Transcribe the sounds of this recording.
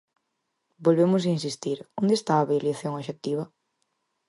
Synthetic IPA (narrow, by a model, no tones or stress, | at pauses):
bolβemʊs̬ainsist̪iɾond̪est̪aːβeoliθjoŋoʃek̚t̪iβ̞ɐ